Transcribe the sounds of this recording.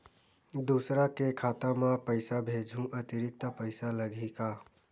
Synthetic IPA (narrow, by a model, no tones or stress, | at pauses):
d̪usɾakekʰat̪amãpəɪsabʱed͡ʒʱũʔət̪iɾik̚t̪əpəɪsaləɡʱika